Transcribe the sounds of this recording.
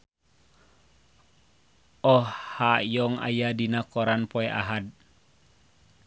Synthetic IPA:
ɔhhajɔŋa̰jadinakɔɾanpɔɛʔa̰ɦad̚

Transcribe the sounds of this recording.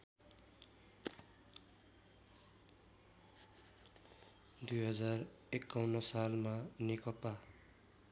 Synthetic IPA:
d̪ujɦʌd͡zar | ekːawnʌsalmanekʌpa

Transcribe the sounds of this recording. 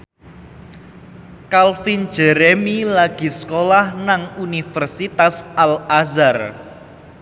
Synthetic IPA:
kalfin̥d͡ʒ̥ɛɾemilaɡ̥i̤səkolahnaŋunifərsit̪asalazar

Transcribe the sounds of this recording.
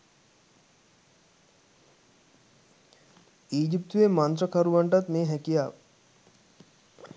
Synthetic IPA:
iːd͡ʒip̚t̪ʋemɐnt̪ɾəkʰɐɾuʋaɳʈɐt̪meːɦɛkijaːʋ

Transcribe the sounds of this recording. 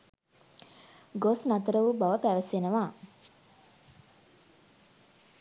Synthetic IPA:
ɡosnat̪əɾəʋubaʋəpæʋəsenəʋaː

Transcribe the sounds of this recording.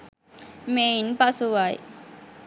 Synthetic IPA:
meinpasuwaj̰

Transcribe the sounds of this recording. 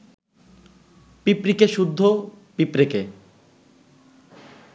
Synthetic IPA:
pipɾikeʃud̪ʱːopipɾike

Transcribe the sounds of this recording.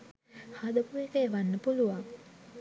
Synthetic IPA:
had̪əkuekəeʋanːəpuluʋaŋ

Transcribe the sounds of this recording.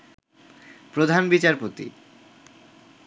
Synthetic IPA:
pɾod̪ʱanbit͡ɕaɾpot̪ḭ

